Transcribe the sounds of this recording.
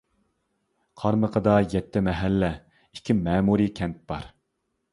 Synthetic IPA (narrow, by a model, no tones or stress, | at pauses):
qʰɑɾməqʰəd̪ɑjɛt̪ʰːɪmɛɦælːɛ | ikʲʰimɛːmuɾikʲʰɛnt̪̚b̥ɑɾ